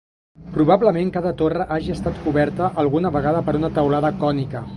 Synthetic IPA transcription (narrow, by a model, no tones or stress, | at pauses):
pɾuβ̞abləmeŋkaðət̪orəʔaʒiəst̪at̪kuβɛɾt̪əʔəlˠɣunəβəɣaðəpəɾunət̪əwlaðəkɔnikə